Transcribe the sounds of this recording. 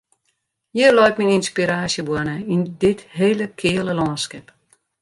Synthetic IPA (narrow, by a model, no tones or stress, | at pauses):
jilɔjtmininspiɾaːsjəbwʊɔənəindɪtheːləkʰɪːələlɔːnskɛp